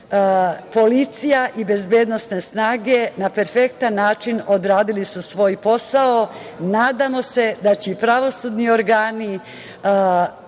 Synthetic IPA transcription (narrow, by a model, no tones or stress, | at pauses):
po̞lit̪sijaʔibe̞zbeːd̪no̞sne̞snaːɡe̞nape̞ɾfe̞kt̪anːaːt͡ʃino̞d̪ɾaːd̪ilisusʋo̞ːjpo̞sao̞ | naːd̪amo̞se̞d̪at͡ɕeipɾaʋo̞sud̪nio̞ɾɡaːni